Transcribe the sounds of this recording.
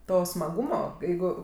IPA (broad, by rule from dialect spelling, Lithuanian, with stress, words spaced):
ˈtoː smɐˈɡuːmoː ˈjɛɪɡʊ